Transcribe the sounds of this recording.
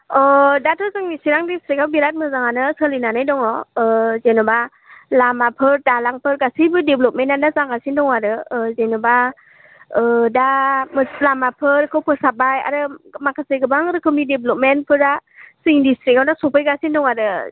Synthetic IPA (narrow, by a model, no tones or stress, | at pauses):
ɔdatʰɯzɯŋnisiɾaŋdistɾikawbiɾat̚mɯzaŋanɯsəlinanajdɔŋɔzenɔba | lamapʰɯɾdalaŋpʰɯɾɡasibɯdeblɔp̚menandazaɡasindɔŋaɾɯzenɔba | damɯlamapʰɯɾkʰɯwpʰɯsab̚aja̰ɾɯmakʰasɯjɡɯbaŋɾɯkʰɯmideblɔp̚menpʰɯɾdasɯindistɾikawdasɔpʰɯjɡasindɔŋaɾɯ